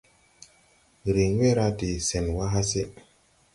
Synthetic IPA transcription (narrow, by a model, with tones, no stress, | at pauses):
ɾi˨ɲʷ˦e˦ɾa˦di˨sɛ˨n˨wa˦ɦa˦se˦